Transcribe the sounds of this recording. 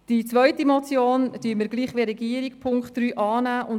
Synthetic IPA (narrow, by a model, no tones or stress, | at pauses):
d̥it͡svœʏtimɔt͡sjoːnd̥yːməɾɡliːχʋeːɾɛɡiəɾikpʰʊŋkχt̚ɾyːʔɑːnæːʔʊn